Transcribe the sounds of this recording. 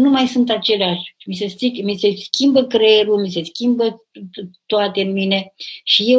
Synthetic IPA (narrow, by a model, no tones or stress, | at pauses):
numajsunt̪at͡ʃe̞leaʃmis̬e̞st̪ikmise̞skʲimbəkɾeɾulmise̞skʲimbə | t̪oat̪e̞ɨnmine̞ʃije